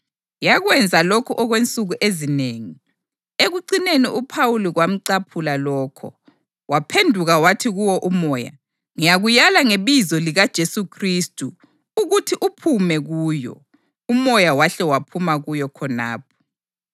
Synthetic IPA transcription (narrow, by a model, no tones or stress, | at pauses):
jaɣwɛnd͡zʱalokʰɔʔɔɣwent͡sʼuɣuʔezineːŋi | eɣuǀineniʔupʰawuliɣwam̩ǀapʰulalɔːkʰɔ̰ | wapʰendʱuɣawatʰiɣuwɔʔumɔːja̰ | ŋijaɣujalaŋeβizɔliɣad̥ʒ̥ʱesukʰristʼu | uɣutʰiʔupʰumɛɣuːjɔ̰ | umɔjawaɬɛwapʰumaɣujɔkʰɔna̰ːp̚ʰɔ̥